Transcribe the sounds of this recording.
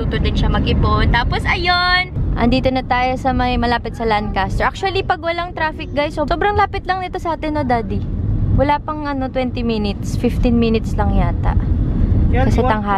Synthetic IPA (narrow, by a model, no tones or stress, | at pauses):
uːt̪od̪ɪnʃɐmɐɡɪbont̪aːposʔɐjonʔɐ̰nd̪iːt̪onɐt̪aːjo̞sɐmɐjmɐlaːpɪt̪̚sɐland̪̚kast̪ɛʔak̚t͡ʃʊɐlipɐɡ̚wɐlaŋt̪ɾaːfɪk̚ɡajsoso̞ːbɾɐŋlaːpɪt̪lɐŋnɪt̪o̞sɐʔaːt̪ɛnːod̪aːd̪iwɐlaːpɐŋʔɐno̞t̪wɛnt̪ɪminɪt̪sfɪft̪ɪnminɪt̪slɐŋjaːt̪ɐ̰ʔ | kɐsɛt̪ɐŋɦa